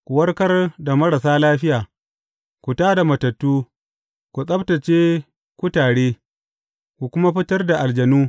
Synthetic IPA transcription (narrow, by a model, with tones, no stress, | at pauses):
kʷu˨wɐ˦rkɐ˦rda˨mɐ˦ɾa˨saː˦laː˦ɸɪ˦jaː˨ | kʷu˨taː˦da˨mɐ˨tɐ˨tːuː˦ | kʷu˨sʼɐ˦btɐ˨t͡ʃeː˦ | kʷu˦taː˨ɽeː˦ | kʷu˨kʷʊ˦ma˦ɸɪ˦tɐ˦rda˨ʔa˨ld͡ʒɐ˨nuː˦